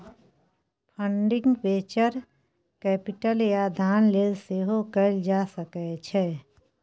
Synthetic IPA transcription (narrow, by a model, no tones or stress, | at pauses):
pʰə̃ɳɖɪ̃ŋɡbeːt͡ʃəɾ | kɛːpɪʈəljad̪ʱaːnleːlseːɦokəld͡ʒaːsəkɛt͡ʃʰɛː